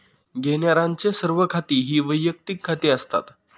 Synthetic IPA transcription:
ɡʱeɳjaɾãɲt͡sesəɾʋəkʰat̪iːɦiːʋəjːək̚t̪ikʰːat̪eəst̪a̰t̪

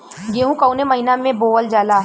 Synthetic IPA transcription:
ɡeːɦũkɐʊnemɐɦinamẽboːʋəld͡ʒaːlaː

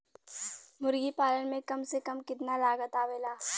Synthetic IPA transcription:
mʊɾɡipaːlənmẽkɐmsekɐmkɪt̪nalaːɡət̪aːʋeːlaː

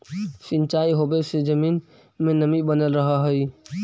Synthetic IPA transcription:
sɪ̃nt͡ʃaːiɦobesed͡ʒəmiːn | mẽnəmibənəlɾəɦaɦəi

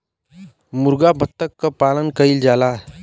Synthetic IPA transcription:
muɾɡabʱət̪ːəkːəpalənkəild͡ʒala

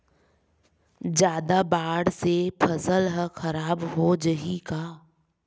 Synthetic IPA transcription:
d͡ʒjaːd̪abaːɽsepʰəsəlɦəxəɾaːbɦod͡ʒəɦikaː

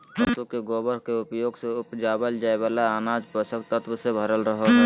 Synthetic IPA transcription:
əsukeɡoːbəɾkeʊpjoːɡseʊpd͡ʒaːbəld͡ʒaːeʋaːlaaːnaːd͡ʒpəsəkt̪ət̪wəsebʱəɾəlɾəɦoɦ

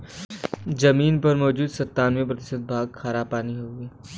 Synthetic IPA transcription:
d͡ʒɐmiːnpɐɾmɔːd͡ʒuːd̪sɐt̪ːaːnmẽp̬ɾɐt̪ɪ̥ʃət̪̚bʱaːɡ̚kʰaːɾapaːniɦoːɡiː

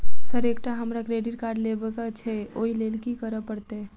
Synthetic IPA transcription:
səɾek̚ʈaɦəmɾakɾeɖiɾkaɾɖlebekat͡ʃʰɛoilelkikəɾəpəɾt̪e

